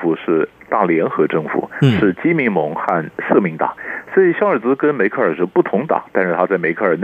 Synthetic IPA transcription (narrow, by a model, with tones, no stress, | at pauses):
fu˨˩ʂɻ̩˥˧t̪a˥˩ljɛ˧˥nxɤ˧˥ʈ͡ʂɤ˥˩ŋfṵ˨˩˦ʂɻ̩˥˩t͡ɕi˥mi˧˥nmɤ˧˥ŋxa˥˧nʂɤ˥˩mi˧˥ŋt̪ɑ̰˨˩˦ŋswɔ˧˥i˨˩ɕjɑ˥ʊə˞˨˩t͡sɹ̩˧˥kə˥nme˧˥ɪkʰɤ˥˩ə˞˨˩ʂə˧˥pu˥˩t̪ʰʊ˧˥ŋt̪ɑ̰˨˩˦ŋt̪a˥˧nʂɻ̩˥˧t̪ʰa˥t͡sa˥˩ɪme˧˥ɪkʰɤ˥˩ə˞˨˩n